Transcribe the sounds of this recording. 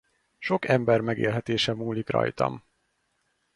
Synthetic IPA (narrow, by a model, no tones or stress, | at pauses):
ʃo̞kɛmbɛrmɛɡḛːlɦɛt̪eːʃɛmuːlikrɒ̰jt̪ɒ̰m